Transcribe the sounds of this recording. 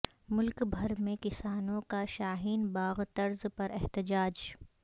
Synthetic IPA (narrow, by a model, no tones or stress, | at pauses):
mʊlkbʱɐɾmẽkɪsaːnõkaʃaːɦiːnbaːɣt̪ɐɾzpɐɾɛɦt̪ɪd͡ʒaːd͡ʒ